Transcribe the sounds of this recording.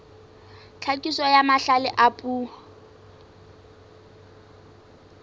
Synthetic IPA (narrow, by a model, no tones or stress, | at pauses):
t͡ɬʰakʼisɔjamaɬalɪʔapʼuː